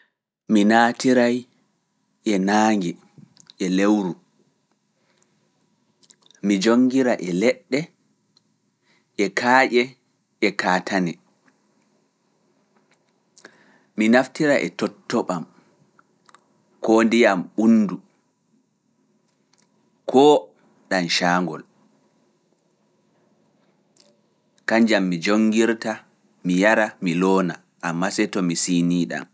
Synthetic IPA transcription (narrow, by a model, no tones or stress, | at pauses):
minatiɾaj | ʔɛnaːŋɡɛ | ʔɛlewɾu | mid͡ʒoŋːɡiɾaʔɛlɛɗːɛ | ʔɛkʰaːʔɛ | ɛkaːtʰanɛ | minaftiɾaʔɛ̰tɔtːɔɓam | kɔndijamɓunːdu | kʰɔː | ɗanʃaːŋɡɔ̰l | kaɲd͡ʒamːid͡ʒoŋɡiɾta | mijaɾamilɔːna | ʔamːasɛtɔmisiːniːɗa̰m